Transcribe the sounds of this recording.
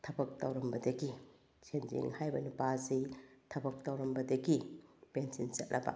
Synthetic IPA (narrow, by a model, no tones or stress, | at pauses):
tʰɐbɐk̚tɐwɾɐmbɐdɐɡi | t͡ʃʰend͡ʒḭŋhajbɐnupazitʰɐbɐk̚tawɾɐmbɐdɐɡipensinsɐt̚nʔɐ̰bɐ̰